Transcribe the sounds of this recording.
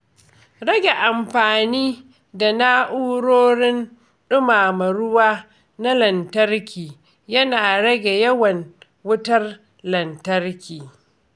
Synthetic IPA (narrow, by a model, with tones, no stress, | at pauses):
ɽɐ˦ɡʲe˨ʔa˨mɸaː˨niː˦ | da˨naː˦ʔuː˦ɽoː˦ɽɪ˦n | ɗʊ˦maː˨mɐ˨ɽʊ˦waː˦ | na˦lɐ˨ntɐ˦rkʲiː˨ | jɐ˦naː˨ɽɐ˦ɡʲe˨jɐ˦wɐ˨n | wʊ˦tɐ˦r | lɐ˨ntɐ˦rkʲiː˨